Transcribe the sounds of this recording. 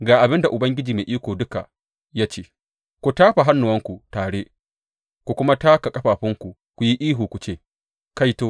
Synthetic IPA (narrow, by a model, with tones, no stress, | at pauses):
ɡaː˨ʔa˨bɪ˦nda˨ʔʊ˨bɐ˦ŋɡʲɪ˦d͡ʒiː˨meː˨ʔiː˦kʷoː˨dʊ˦ka˨ | jaː˦t͡ʃeː˦˨ | kʷu˨taː˦ɸa˨ɦa˦nːʊ˨wɐ˦ŋkʷu˨taː˨ɽe˦ | kʷu˨kʷʊ˦ma˦taː˦ka˨kʼɐ˦ɸaː˨ɸɪ˦ŋkʷu˨ | kʷu˨ji˦ʔiː˦ɦuː˨kʷu˨t͡ʃeː˦˨ | ka˦jtoː˦